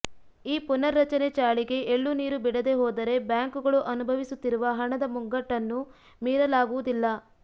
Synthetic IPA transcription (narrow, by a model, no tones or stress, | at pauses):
iːpunɐɾːɐt͡ʃɐnet͡ʃaːɭiɡe̞ʔeɭːuniːɾubiɽɐd̪e̞ɦoːd̪ɐɾe̞bjaːŋkuɡɐɭuʔɐnubʱɐʋisut̪ːiɾuʋɐɦɐɳɐd̪ɐmuŋɡɐʈːɐnːu | miːɾɐlaːɡuʋud̪ilːɐ